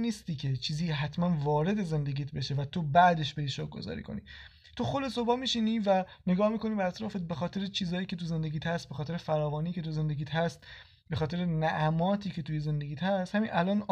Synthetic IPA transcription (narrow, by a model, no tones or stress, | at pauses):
niːst̪iːcʲʰe̞t͡ʃʰiːziːɦæt̪ʰmænvɒːɾe̞d̪e̞ze̞nd̪eɡiːt̪̚ʰbe̞ʃe̞væt̪ʰobæʔd̪e̞ʃbe̞ɾiːʃɒk̚ɡo̞̰zɒ̰ːɾḭːkʰo̞̰nḭ | t̪ʰoxolesobɒːmiːʃiniːvæne̞ɡɒːhmiːko̞niːbeæt̪ɾɒːfet̪̚be̞xɒːt̪ʰe̞ɾet͡ʃʰiːzɒːjiːcʰe̞t̪uze̞nd̪e̞ɡiːt̪hæst̪̚bexɒːt̪e̞ɾefæɾɒːvɒːniːce̞t̪ʰuze̞nd̪e̞ɡiːt̪hæst̪ | bexɒːt̪e̞ɾenæʔæmɒːt̪ʰiːce̞t̪ʰujeze̞nd̪eɟiːt̪hæst̪hæmiːnʔælɒːn